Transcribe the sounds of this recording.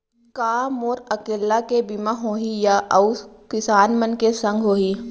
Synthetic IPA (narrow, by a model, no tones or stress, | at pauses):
kaːmoːɾɐkeːlːakebimaɦoːɦijaʔɐʊkɪsaːnmənkesə̃ŋɡʱɦoːɦiː